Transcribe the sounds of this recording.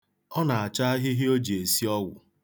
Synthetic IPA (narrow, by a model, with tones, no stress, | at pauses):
ɔ˦na˨a˨t͡ʃa˦a˦ɦɪ˦ɦɪ˦o˦d͡ʒe˨si˦ɔ˦wʷʊ̰˨